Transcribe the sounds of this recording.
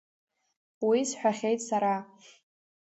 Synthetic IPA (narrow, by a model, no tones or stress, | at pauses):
wisħʷᶣaχʲejtʼsaɾa